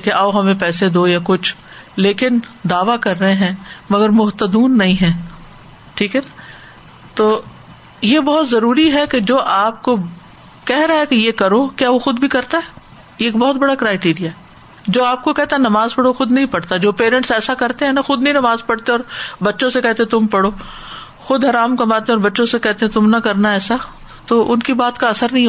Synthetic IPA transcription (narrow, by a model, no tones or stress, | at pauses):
keʔɐːɦɐmẽpɛːsed̪oːjakʊt͡ʃʰ | leːkɪnd̪aːʋakɐɾːɐɦẽɦɛ̃ːmɐɡəɾmʊɦt̪əd̪uːnːɐɦĩɦɛ̃ː | ʈʰiːkɦɛna | t̪oː | jebɔɦʊt̪zɐɾuːɾiɦɛked͡ʒoːʔaːp̚ko | kɛɦɾaɦɛkejekɐɾokjaːʋoxʊd̪bʱikɐɾt̪aɦɛ | jeːk̚bɔɦːʊt̪̚bɐɽakɾaːɪʈiːɾijaɦɛ | d͡ʒoːaːp̚kokɛɦt̪aɦɛnɐmaːzpɐɽoxʊd̪nɐɦĩpɐɽt̪ad͡ʒoːpeːɾɛ̃ɳʈsɛːsakɐɾt̪ẽɦɛ̃naxʊd̪nɐɦĩnɐmaːzpɐɽt̪eɔːɾbɐtːʃõsekɛɦt̪eɦɛ̃t̪ʊmpɐɽoː | xʊd̪ɦɐɾaːmkɐmaːt̪ẽɔːɾbɐtːʃõsekɛɦt̪eɦɛ̃t̪ʊmnɐkɐɾnaɛːsa | t̪oːʔʊnkibaːt̪kaɐsəɾnɐɦĩɦ